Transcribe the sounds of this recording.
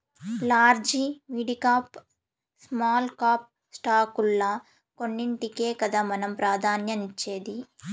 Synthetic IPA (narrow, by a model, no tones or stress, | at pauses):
laːɾd͡ʒimiːɖikaːp | smaːlkaːp̚ | sʈaːkulːɐ | konːiɳʈike̞ːkɐd̪aːmɐnɐmpɾaːd̪ʱaːnjɐnit͡ʃːe̞ːd̪i